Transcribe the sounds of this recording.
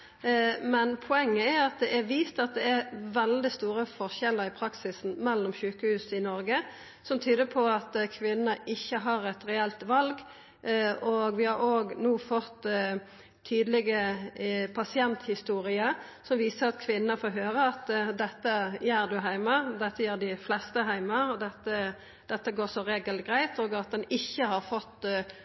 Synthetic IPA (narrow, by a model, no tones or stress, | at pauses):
mɛnpʰʊɛŋːəæɑt̪̚d̪ɛʔɛɾʋiːst̪ɑt̪̚d̪ɛæɾʋɛld̪ɪst̪uːɾəfɔʁçɛlːəɾɪpʰɾɑksɪsn̩mɛlːɔmçʉːkəhʉːsɪnɔɾɡə | sɔmt̪ʰyːd̪əpʰɔɑt̪kʰʋɪnnəɪçːəɦɑɾɛt̪ɾɛɛlt̪ʋɑlɡ | ɔɡʋɪhɑɾoːɡnuːfɔt̪ːʰ | yːd̪lɪɡə | pʰɑsɪɛnt̪hɪst̪uːɾɪəɾ | sɔmʋiːsəɾɑt̪kʰʋɪnənəfoːɾɦøːɾəɑt̪d̪ɛt̪ːəjæːɾd̪ʉɦæɪməd̪ɛt̪ːəjæːʁd̪ɪflɛst̪əɦæɪməɔd̪ɛt̪ːə | d̪̥ɛt̪ːəɡoːsɔɾeːɡəlt̪̚ɡɾæɪt̪oːɡɑt̪̚d̪ɛnɪçːəhɑɾfɔt̪ː